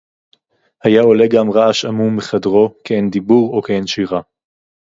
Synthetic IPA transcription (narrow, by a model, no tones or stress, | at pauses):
hajaole̞ɡamʁaaʃamumeχadʁo̞keend̪ibuʁokeenʃiʁa